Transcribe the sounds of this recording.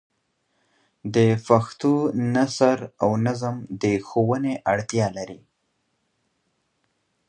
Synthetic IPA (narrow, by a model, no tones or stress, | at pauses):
d̪əfaxt̪unasaɾawnazəmd̪əxowəneʔaɽt̪jɑlaɾi